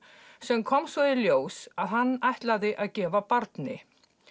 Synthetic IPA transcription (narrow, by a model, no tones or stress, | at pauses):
sɛmkʰɔmsvɔðɪljoːwsaðhanːajht̪laðɪʔaðcɛːvapaɾt̪nɪ